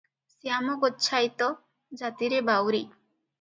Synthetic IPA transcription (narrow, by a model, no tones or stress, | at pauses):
sijamɔɡɔt͡ʃʰajt̪ɔ | d͡ʒat̪iɾebawɾi